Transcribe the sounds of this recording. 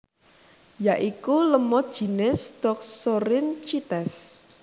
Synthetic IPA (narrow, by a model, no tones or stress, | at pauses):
jaʔikuləmɔ̥ʒ̥i̤nɪsd̥ɔk̚soɾɪnt͡ʃit̪ɛs